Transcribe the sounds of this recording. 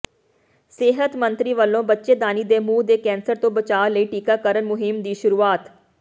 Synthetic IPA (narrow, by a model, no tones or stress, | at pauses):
sɪɦət̪mənt̪ɾiːʋəlːõːbətːʃeːd̪aːniːd̪eːmuːd̪eːkɛ̃ːnsəɾt̪õːbət͡ʃaːləiːʈiːkaːkəɾənmʊɦɪmd̪iːʃʊɾuːaːt̪